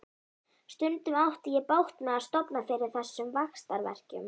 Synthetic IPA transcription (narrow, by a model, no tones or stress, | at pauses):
st̪ʏnt̪ʏmawht̪ɪjɛpawht̪mɛðaðst̪ɔpnafɪːɾɪɾ̥θɛsːʏmvaxst̪aɾvɛ̰r̥cʏ̰m